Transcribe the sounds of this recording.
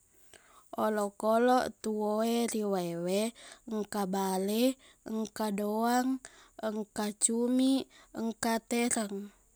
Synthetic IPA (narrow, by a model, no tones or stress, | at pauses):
olɔkɔlɔʔt̪uoeɾiwaeweŋkabalɛ | əŋkadoaŋ | əŋkat͡ʃumiəŋkat̪eɾaŋ